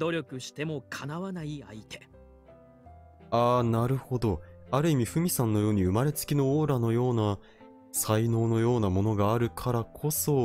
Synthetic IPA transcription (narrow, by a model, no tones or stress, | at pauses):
d̪o̞ɾʲo̞kɯ̟ɕi̥t̪e̞mo̞kʰanaβanaia̰it̪ʰe | aːnaɾɯ̟ho̞d̪o̞aɾɯ̟imʲiɸɯ̟mʲisãnːo̞jo̞ːɲ̟iɯ̟maɾe̞t͡sɨ̥kʲino̞oːɾano̞jo̞ːna | saino̞ːno̞jo̞ːnamo̞no̞ɡaːɾɯ̟kʰaɾakʰo̞so̞